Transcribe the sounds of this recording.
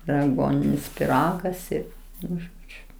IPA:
ɪr ɐˈɡuɔnʲɪnʲɪs pʲɪˈrɑːɡɐs ɪr ˈnʊ ˈʒoːd͡ʒʲʊ

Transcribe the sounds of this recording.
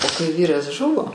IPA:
oː kɐɪ ˈʋʲiːrɐs ˈʒʊʋoː

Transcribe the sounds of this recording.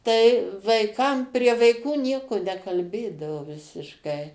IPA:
tɐɪ ʋɐɪˈkɐm pʲrʲiɛ ʋɐɪˈkuː ˈnʲiɛkʊ nʲɛkɐlʲˈbʲeːdɐʋoː ʋʲɪsʲɪʃˈkɐɪ

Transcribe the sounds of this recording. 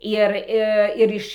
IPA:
ˈɪr ɪ ˈɪr ɪʃ

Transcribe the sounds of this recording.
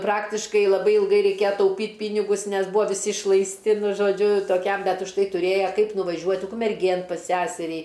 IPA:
ˈprɑːktʲɪʃkɐɪ lˠɐˈbɐɪ ɪlˠˈɡɐɪ rʲɛɪˈkʲeːjɛ tɐʊˈpʲiːtʲ ˈpʲiːnʲɪɡʊs ˈnʲɛs ˈbuːɐ ʋʲɪˈsʲɪ ɪʃlˠɐɪsʲˈtʲɪ nʊ ʒoːˈd͡ʒʲʊ toːˈkʲɛm ˈbʲɛt ʊʃˈtɐɪ tʊˈrʲeːjɛ ˈkɐɪp nʊʋɐˈʒʲuɔtʲ ʊkmʲɛrʲˈɡʲeːn pɐs ˈsʲæsʲɛrʲiː

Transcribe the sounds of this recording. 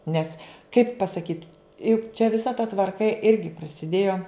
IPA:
ˈnʲɛs kɐɪp pɐsɐˈkʲiːt jʊk t͡ʃʲɛ ʋʲɪˈsɐ tɐ tʋɐrˈkɐ ˈɪrʲɡʲɪ prɐsʲɪˈdʲeːjoː

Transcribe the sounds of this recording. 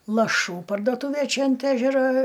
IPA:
lˠɐˈʃuː pɐrdoːˈtuːʋʲeː ˈt͡ʃʲɛ ɐnt ˈæːʒʲɛroː

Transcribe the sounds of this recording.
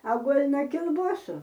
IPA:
ɐ ˈɡuɔlˠ nɐ kʲɪlˠˈbuɔsuː

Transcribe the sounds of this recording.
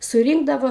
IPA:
sʊˈrʲiːŋɡdɐʋoː

